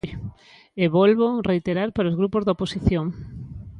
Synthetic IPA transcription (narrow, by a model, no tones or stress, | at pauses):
j | eβɔlβorejt̪eɾaɾpaɾaozɣɾupozðoposiθjoŋ